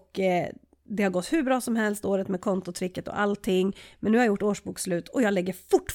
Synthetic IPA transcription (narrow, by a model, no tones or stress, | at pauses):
k | d̪ɛhaɾɡɔt̪ːhʉ̟bɾɑːsɔmɦɛlst̪oːɾət̪mɛkʰɔnt̪ʊt̪ʰɾɪkːət̪ɔ̰ʔa̰lt̪ʰːɪŋːmɛnːʉːhaɾjʊʈːoːʂbuːkslʉ̟ːt̪ʰɔjɑːlɛɡːəɾfʊʈː